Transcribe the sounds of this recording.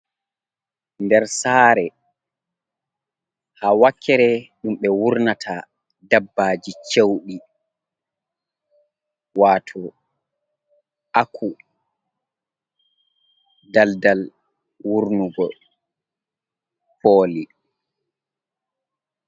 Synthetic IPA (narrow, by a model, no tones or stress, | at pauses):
ndɛɾsaːɾɛ | hawakʰːɛɾɛɗumɓɛwuɾnatʰa | dabːad͡ʒit͡ʃewɗi | waːtʰɔ | ʔakʰu | daldal | wuɾnuɡɔ | poːli